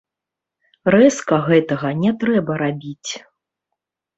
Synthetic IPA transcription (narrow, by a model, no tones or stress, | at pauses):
rɛskɐɣɛt̪ɐɣɐnʲɛt̪ɾɛbɐɾabʲit͡sʲ